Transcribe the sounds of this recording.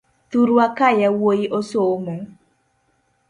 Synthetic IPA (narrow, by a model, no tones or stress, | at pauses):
tuɾuakajɛwoiʔosoomo